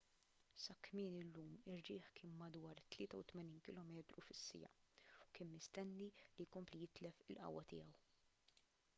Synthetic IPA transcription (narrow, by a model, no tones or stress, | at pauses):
sɐkːmɪːnɪlːuːmɪrːɪːħkɪːnmɐd̪wɐːɾt̪lɪːt̪ɐwt̪mɛniːnkɪlɔːmɛːt̪ɾufɪsːɪ̰jɐ̰ʊkɪːnmɪst̪ɛnːilijkɔmplijɪt̪lɛfɪlʔɐ̰wːɐt̪ɪ̰ːɐw